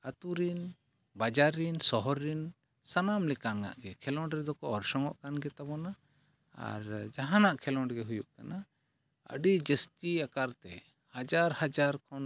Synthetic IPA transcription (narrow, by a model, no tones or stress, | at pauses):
ət̪uɾin | bad͡ʒaɾinsɔɦɔɾin | sanamlɛkanɡa̰ʔɡɛkʰɛlɔ̃ɳɖɾɛd̪ɔkɔɔɾsɔŋɔʔkanɡɛt̪abɔna | a̰ɾd͡ʒaɦãnaʔkʰɛlɔɳɖɡɛɦujuʔkana | ə̰ɖid͡ʒəst̪iakaɾt̪ɛ | had͡ʒaɾhad͡ʒaɾkʰɔn